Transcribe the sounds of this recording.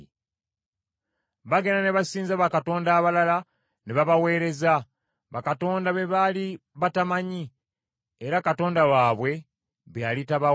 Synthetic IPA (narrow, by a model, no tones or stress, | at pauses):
βaɡe̞naneβasiːnzaβakato̞ːndaːβalala | neβaβawe̞ːɾe̞za | βakato̞ːndaβe̞βaliβatamaɲi | eɾakato̞ːndawaːβwe̞ | βealitaβa